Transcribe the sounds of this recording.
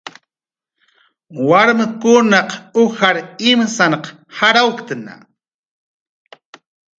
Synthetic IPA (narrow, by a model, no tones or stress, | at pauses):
waɾmɪkʊnaqʊxaɾɪmsaɴq | haɾawkt̪ana̰